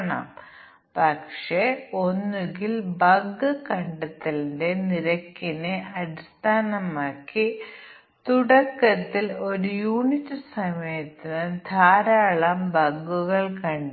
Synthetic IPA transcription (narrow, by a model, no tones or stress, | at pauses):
ɳa̰m | pɐkʂeo̞nːuɡilbɐɡːɨkɐɳɖɐt̪ːɐlinde̞niɾɐkːinɨʔɐɾist̪ʰaːnɐmaːkːi | t̪uɽɐkːɐt̪ːilo̞ɾujuːɳitːɨsɐmɐjɐt̪ːinɨd̪ʱaːɾaːɭɐmbɐɡːuɣɐɭkɐɳɖ